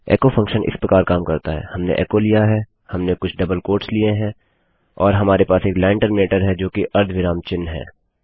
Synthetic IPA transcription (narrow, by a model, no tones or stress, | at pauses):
ɛ̰ːkofʰɐ̃ŋkʃənʔɪ̰spɾɐkaːɾkaːmkɐɾt̪aɦɛ̰ːhɐmnḛʔɛ̰ːkolijaɦɛː | hɐmnekʊt͡ʃʰɖɐbəlkoːɾʈslieɦɛ̃ | ɔːɾɦɐmaːɾepaːseːklɛːɪɳʈəɾmeːʈəɾɦɛd͡ʒoːkiʔɐɾd̪ʱʋɪɾaːmt͡ʃɪnːɦɛ̰ː